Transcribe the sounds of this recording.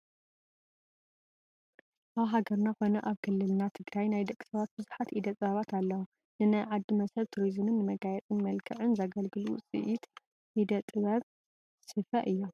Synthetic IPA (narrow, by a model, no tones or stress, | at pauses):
ʔaβɦaɡɐɾnako̞nɐʔaβkʰɨlːɨlnat̪ʰɨɡɾajnajd̪ɐkʼːi̥sɐβat̪̚bɨzuħat̪ʔid̪ɐt̪ʼɨβaβat̪ʰalːɐwu | nɨnajʕad̪ːɨmɐsɐβt̪ʰuɾizɨmɨnːɨmɐɡajɛt͡sʼɨnmɐlkʰɐʕɨnzɐɡɐlɡɨlut͡sʼḭʔit̪ | ʔid̪ɐt̪ʼɨβɐβ | sɨfɐʔɨjːo